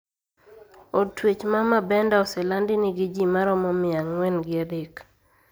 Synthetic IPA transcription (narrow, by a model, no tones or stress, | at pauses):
ɔtwet͡ʃmamabɛndaɔsɛlandɪnɪɡɪd͡ʒimaɾɔmɔmɪaŋːwɛnɡɪadek